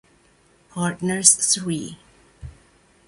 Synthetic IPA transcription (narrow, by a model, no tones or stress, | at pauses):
pʰɑɹtnə˞zswi